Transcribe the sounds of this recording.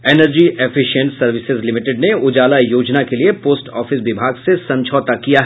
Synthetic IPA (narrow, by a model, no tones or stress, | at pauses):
eːnəɾd͡ʒiʔefʰɪʃə̃ɳʈsɐɾʋɪsɪzlɪmɪʈɪɖneʊd͡ʒaːlajoːd͡ʒnakeliepoːsʈɔːfɪsʋɪbʱaːɡsesɐ̃ɲt͡ʃʰɔːt̪akijaɦ